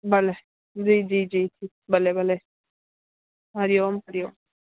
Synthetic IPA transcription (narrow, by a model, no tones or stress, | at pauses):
bɐle | d͡ʒiːd͡ʒiːd͡ʒiːtʰiː | bɐlebɐle | ɦɐɾjoːmɦɐɾjoːm